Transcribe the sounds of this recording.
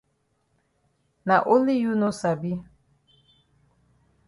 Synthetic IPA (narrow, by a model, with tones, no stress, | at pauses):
na˨ʔo˦li˦ju˦no˦sa˨bi˦